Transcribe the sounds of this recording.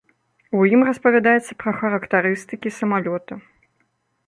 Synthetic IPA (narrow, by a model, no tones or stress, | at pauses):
ujimrɐspɐvʲad̪ajɛt̪sːɐpɾɐxɐɾɐkt̪aɾɨst̪ɨkʲisɐmalʲɔt̪ɐ